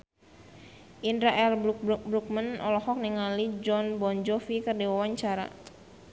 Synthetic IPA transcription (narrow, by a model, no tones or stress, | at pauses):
ʔindɾaʔɛlbɾuk̚mənɔlɔhɔk̚niŋalid͡ʒɔnbɔnd͡ʒɔfikərdiwawaɲt͡ʃaɾa̰